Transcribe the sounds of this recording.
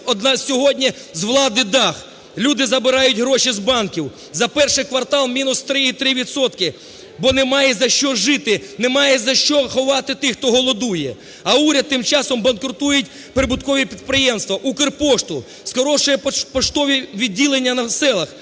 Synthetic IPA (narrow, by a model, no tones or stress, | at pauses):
ɔd̪nɑsʲɔɦɔdʲnʲi | zʋlˠɑd̪ɪd̪ɑx | lʲud̪ɪzɐbɪɾɑjʊtʲɦɾɔʃizbɑnkʲiw | zɐpɛrʃɪjkʋɐrt̪ɑlˠmʲinʊst̪ɾɪit̪ɾɪʋʲit̪sɔt̪kɪ | bɔnɛmɑjɛzɐʃt͡ʃɔʒɪt̪ɪnɛmɑjɛzɐʃt͡ʃɔxɔʋɑt̪ɪt̪ɪxt̪ɔɦɔlˠɔd̪ujɛ | ɐuɾʲɐd̪̚t̪ːɪmt͡ʃɑsɔmbɐnkɾʊt̪ujʊtʲ | pɾɪbʊt̪kɔʋʲipʲid̪̚pɾɪjɛmst̪ʋɐʔukɪrpɔʃt̪ʊ | skɔɾɔʃɔjɛppɔʃt̪ɔʋʲiʋʲidʲːilˠenʲːɐnɐsɛlˠɐx